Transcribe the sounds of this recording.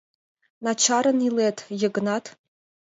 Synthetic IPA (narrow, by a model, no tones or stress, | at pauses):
nat͡ʃʰaɾɨniletʰjɪɡnatʰ